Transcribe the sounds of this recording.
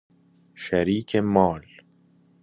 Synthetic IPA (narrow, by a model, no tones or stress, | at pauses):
ʃaɾiːkʰemɒːl